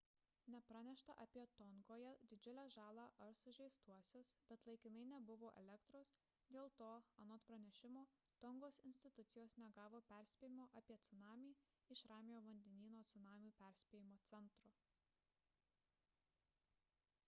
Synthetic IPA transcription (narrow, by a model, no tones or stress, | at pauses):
nʲɛpɾɑnʲɛʃt̪ɐʔɐpʲiɛt̪ɔŋɡoːjɛd̪ʲɪd͡ʒʲʊlʲæːʒɑːlˠɑːʔɐɾsʊʒʲɛɪst̪uɔsʲosbʲɛt̪lˠɐɪkʲɪnɐɪnʲɛbʊʋoːʔɛ̰lʲɛkt̪ɾos | d̪ʲeːlˠt̪oːɐnɔt̪pɾɐnʲɛʃʲɪmoː | t̪ɔŋɡoːsɪnʲsʲt̪ʲɪt̪ʊt̪sʲɪjoːsnʲɛɡɑːʋoːpʲæˑɾʲsʲpʲeːjɪmoːʔɐpʲiɛt̪sʊnɑːmʲiː | ɪʃɾɑːmʲɪjoːʋɐnʲd̪ʲɛnʲiːnoːt̪sʊnɑːmʲuːpʲæˑɾʲsʲpʲeːjɪmoːt̪sʲɛnˑt̪ɾʊ